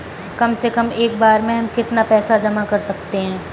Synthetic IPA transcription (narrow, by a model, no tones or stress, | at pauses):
kɐmsekɐmeːk̚baːɾmẽɦɐmkɪt̪napɛːsad͡ʒɐmakɐɾsɐkt̪eɦɛ̃ː